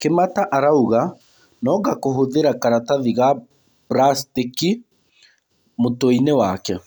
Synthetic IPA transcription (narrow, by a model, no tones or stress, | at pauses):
kemataʔaɾauɣa | nɔɣakoɦoðeɾakaɾataðiɣa | bɾastiki | motoinewakɛ